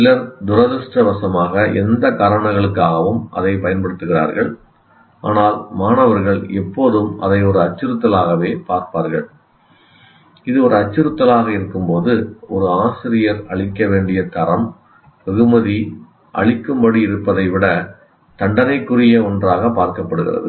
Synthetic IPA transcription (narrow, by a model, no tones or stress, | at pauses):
ɪlɐɾd̪ʊɾɐðɯsʈrɐʋɐsɐmaːɣɐʔɛ̰nd̪ɐkaɾɐɳɐɣɐɭɯkːaːɣɐʋɯmʔɐ̰ðɐɪpɐjɐnpɐɽɯt̪ːɯɣɪra̰ːɾɣɐɭ | a̰ːnaːlmaːnɐʋɐɾɣɐɭɛpːoːðɯmʔɐ̰ðɐɪɔɾɯɐt͡ʃːɯɾɯt̪ːɐlaːɣɐʋeːpaːɾpaːɾɣɐɭ | ɪðɯɔɾɯɐt͡ʃːɪɾɯt̪ːɐlaːɣɐɪɾɯkːɯmpoːðɯɔɾɯaːsɪɾɪjɐɾɐɭɪkːɐʋeːɳɖɪjɐt̪ɐɾɐm | ʋɛɣɯmɐði | ʔɐ̰ɭɪkːɯmbɐɽiɪɾɯpːɐðɐɪʋɪɽɐ | t̪ɐɳɖɐnɐɪkːɯrɪjɐɔndraːɣɐpaːɾkɐpːɐɽɯɣɪ̰rɐ̰ðɯ̰